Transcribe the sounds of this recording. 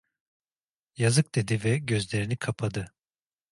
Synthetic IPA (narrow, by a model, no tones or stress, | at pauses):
jazɯk̚d̪̥e̞d̪ivɛɟø̞zlʲeɾinikʰapʰad̪ɯ